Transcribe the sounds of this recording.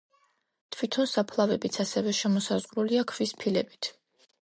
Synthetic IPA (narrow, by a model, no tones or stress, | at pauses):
t̪ʰvit̪ʰɔnsapʰlˠavɛbit̪sʰasɛvɛʃɛmɔsazʁɾuliakʰvispʰilɛbit̪ʰ